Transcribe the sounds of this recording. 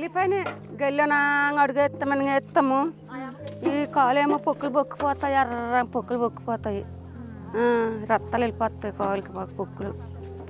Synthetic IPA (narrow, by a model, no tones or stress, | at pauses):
elipɐjneɡelːjonaŋɐɽuɡeːt̪ːɐmɐnɐŋeːt̪ːɐmu | iːkaːleːmopokːulubokːu̥pɔːt̪aːjiɐɾapokːulubokːu̥pɔːt̪aːji | ɾɐt̪ːaːlilipɔːt̪ːaːjikaːlkibakpokːulu